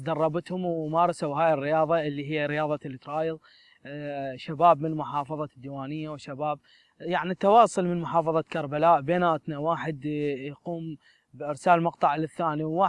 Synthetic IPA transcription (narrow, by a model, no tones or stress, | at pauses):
d̪ɑrˤːɑbɪt̪hʊmwmɑːɾˤɑsawɦaːjɪrːɪjɑːðˤɑʔɪlːiɦɪjːaɾɪjɑːðˤɑlːt̪ɾˤɑːjɨðˤ | ʃabaːbmɪnmʊħɑːfɑðˤɑd̪ːiwaːnɪjːawʃabaːb̚ | jaʕnit̪ːɑwɑːsˤʊlmɪnmʊħɑːfɑðˤɑkɑɾˤbalaːʔbeːnaːt̪nawaːħɪd̪jquːm | bʔɪɾsaːlmɑqt̪ˤɑʕlɪθːaːniwːaː